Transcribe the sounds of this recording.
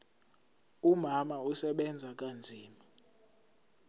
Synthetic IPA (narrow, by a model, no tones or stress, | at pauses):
umamausɛɓɛnd͡zʱak̬ʼand͡zʱiːma